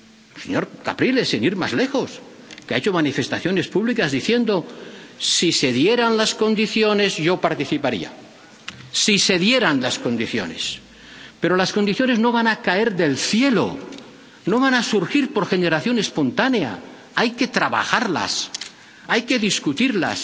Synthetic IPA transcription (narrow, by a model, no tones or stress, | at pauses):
sḛɲo̞ɾka̰pɾile̞siniɾma̰zle̞xo̞s | keaet͡ʃomanife̞st̪aθjo̞ne̞spuβlikazðiθje̞nd̪o̞siseðjeɾanlasko̞nd̪iθjo̞ne̞zʝo̞paɾt̪iθipaɾḭa̰ | sise̞ðje̞ɾanlasko̞nd̪iθjo̞̰ne̞̰s | pe̞ɾo̞laskond̪iθjo̞ne̞zno̞βanakae̞ɾðe̞lθje̞lo̰ | no̞β̞anasuɾxiɾpo̞ɾxe̞ne̞ɾaθjo̞ne̞spo̞nt̪anea̰ | ajke̞t̪ɾaβa̰xaɾla̰s | ajke̞ðiskut̪iɾla̰s